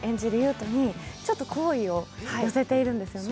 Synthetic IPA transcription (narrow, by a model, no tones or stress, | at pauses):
ẽ̞ɲ̟d͡ʑiɾɯ̟jɯ̟ːt̪o̞ɲ̟it͡ɕo̞t̪ːo̞kʰo̞ːio̞hajo̞se̞t̪e̞iɾɯ̟̃nd̪e̞sɨjo̞n